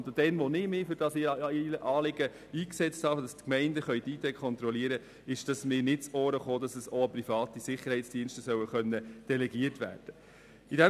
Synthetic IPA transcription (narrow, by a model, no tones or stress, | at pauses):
d̪od̥ɛnʋonɪmɪfʏɾd̥ɑsɪiləʔɑːlɪɡə | iːksɛt͡sthɑːfd̥ɑstkmɛɪndəχœʏdiːtɛkʰχɔnt̪ɾɔliəɾə | ɪʃd̥ɑsmɪːɾnɪt̚t͡soːɾəχoːd̥ɑsəsoɑprifɑːt̪isɪχːəɾhɛɪt͡sd̥iənʃtəsœwəχœnːəd̥ɛlɛɡiərtʋæ̰ːɾd̥ə | idæ